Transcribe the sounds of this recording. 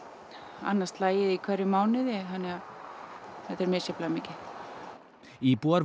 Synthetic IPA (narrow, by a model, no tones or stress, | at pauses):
a̰nːast̪laːjɪðikʰvɛɾɪmaːwnɪðɛɦanːɪɣa | θɛt̪ɛɾmɛsjɛplamɪːcɪ | ipuaɾ